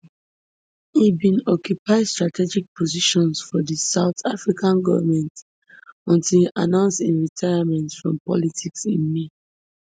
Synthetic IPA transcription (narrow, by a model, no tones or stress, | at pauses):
ibĩnɔkjupaɪstɹatʰɛd͡ʒik̚pʰɔziʃɔ̃nsfɔdisaʊtafɹikʰãnɡɔvəmɛ̃nt | ɔ̃ntilanãʊ̃nstĩnɹitʰaɪamɛ̃ntfɹɔ̃mpɔ̰litʰiksĩnmi